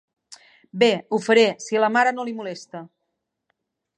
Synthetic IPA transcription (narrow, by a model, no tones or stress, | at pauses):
beufəɾesiləmaɾənolimulest̪ə